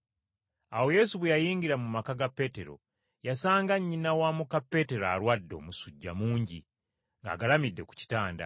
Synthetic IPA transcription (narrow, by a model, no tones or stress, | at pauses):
awo̞je̞suβwejajiːŋɡiɾamumakaɡapːe̞ːte̞ɾo̞̰ | jasaːŋɡaɲːinawaːmukapːe̞te̞ɾa̰ɾwadːo̞̰ːmusuɟːa̰muːɲɟi | ŋɡa̰ːɡalamidːe̞ku̥ci̥taːnda̰